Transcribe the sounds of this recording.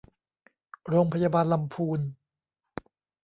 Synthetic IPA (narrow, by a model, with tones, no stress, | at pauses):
ɾoː˧ŋpʰa˧jaː˧baː˧nla˧mpʰuː˧n